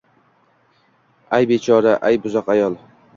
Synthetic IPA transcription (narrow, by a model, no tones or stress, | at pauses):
ajbet͡ʃʰɒɾaʔajbʊzɒqajɒlˠ